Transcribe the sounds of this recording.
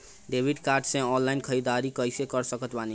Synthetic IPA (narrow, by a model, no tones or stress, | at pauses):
ɖebʱiɖkaɾɖsẽɔnlainkʰəɾid̪aɾikəjsekʌɾsəkət̪bani